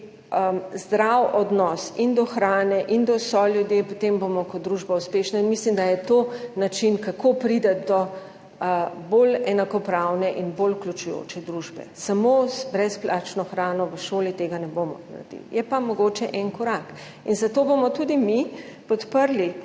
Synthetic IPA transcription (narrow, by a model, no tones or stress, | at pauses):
əzd̪ɾawʔɔd̪nɔsind̪ɔxɾaːnɛʔind̪ɔsɔlʲjud̪jepɔt̪embomɔkɔt̪̚d̪ɾuʒbauspeːʃnainmislimd̪ajɛt̪oːnat͡ʃinkakʰopɾid̪ɛd̪ɔ | bolɛnakɔpɾawnɛʔinboluklʲjut͡ʃujo̰t͡ʃɛd̪ɾuʒbɛ̰samozbɾɛsplʔat͡ʃnɔxɾaːnɔʋəʃoːlit̪eɡanɛbomɔ̰na̰d̪ḭjɛpamɔɡoːt͡ʃɛʔɛnkɔɾak | inzat̪obomɔt̪ud̪imipɔt̪pəɾli